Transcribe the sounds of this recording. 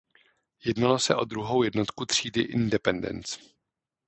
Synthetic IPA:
jɛdnalo̞sɛ̰ʔo̞d̪ɾuɦo̞wjɛdno̞t̪kut̪r̝̥iːdɪʔɪndɛpɛndɛ̰nt͡s

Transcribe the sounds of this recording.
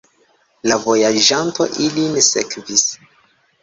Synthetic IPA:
lavo̞jaʒanto̞ʔilinesekvis

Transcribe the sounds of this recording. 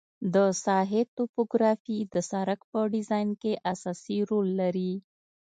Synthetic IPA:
d̪əsɑɦet̪opoɡɾɑfid̪əsɑɾakpəɖɪzɑjnkeʔasɑsiɾolːaɾi

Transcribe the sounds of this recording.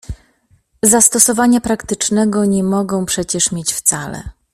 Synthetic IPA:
zast̪ɔsɔvaɲapɾakt̪ɘt͡ʂnɛɡɔɲɛmɔɡɔ̃w̃pʂɛt͡ɕɛʂmʲjet͡ɕft̪salɛ̰

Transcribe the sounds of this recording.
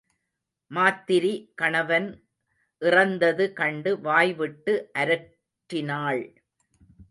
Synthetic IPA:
maːt̪ːɪɾikɐɳɐʋɐn | ʔɪrɐnd̪ɐðɯkɐɳɖɯʋaːjʋɪʈːɯʔɐɾɐ | ʈɾɪnaːɭ

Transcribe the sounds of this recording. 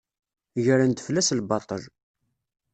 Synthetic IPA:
ʝəɾænt̪ə̥flæslbɑt̪ˤəl

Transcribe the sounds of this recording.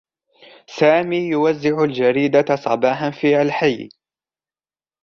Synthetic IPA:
saːmiːjʊwazːɪʕʊld͡ʒaɾiːd̪asˤɑ̰bɑːħanfiːhalħaj

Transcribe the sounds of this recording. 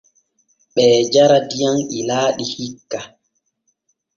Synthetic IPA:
ɓɛːd͡ʒaɾadijaŋilaːɗihikːa

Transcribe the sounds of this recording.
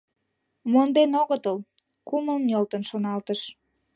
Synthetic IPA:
mond̪enoɣət̪əl | kuməlnʲolt̪ənʃonɑlt̪əʃ

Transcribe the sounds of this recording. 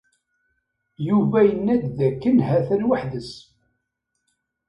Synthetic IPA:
juvæjənːæd̪ðækːənhæθænwaħðəs

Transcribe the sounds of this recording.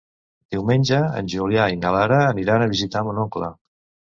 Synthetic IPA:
d̪̥iwmenʲd͡ʒəə̰nʲʒuljainalaɾəːniɾanəβizit̪amunɔklə̰

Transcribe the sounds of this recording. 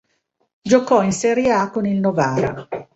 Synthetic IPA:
d͡ʒokɔinseɾjakonilnovaːɾa̰

